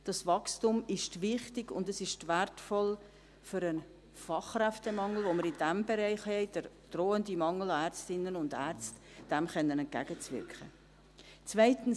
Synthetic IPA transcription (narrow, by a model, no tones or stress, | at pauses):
d̥ɑsvɑkstumɪʃtvɪχtɪɡʊ̰ndəsɪʃtvæɾtfɔl | fʏɾən | fɑχræftəmɑŋl̩voməɾɪndɛmbɛɾɛɪχhɛɪd̥əɾ | d̥roːəndimɑŋəl̩ɑæɾt͡stɪnːənʊndæɾt͡std̥ɛmχɛnːənɛnt̚ɡ̥æ̰ɡ̥ət͡svɪ̰ɾkχə̰ | t͡svaɪtn̩